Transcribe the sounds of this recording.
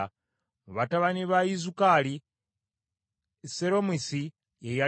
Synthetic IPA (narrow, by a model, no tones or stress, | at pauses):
βataβaniβaizukali | seɾo̞misi | eja